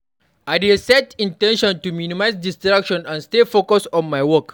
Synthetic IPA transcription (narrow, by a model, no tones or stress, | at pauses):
aɪdesɛtĩntɛ̃nʃɔ̃ntuminimajs̬distɾakʃɔ̃nãnstefokɔsɔ̃nmajwɔk